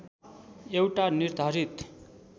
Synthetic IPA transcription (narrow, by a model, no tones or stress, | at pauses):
ewʈaniɾd̪ʱaɾit̪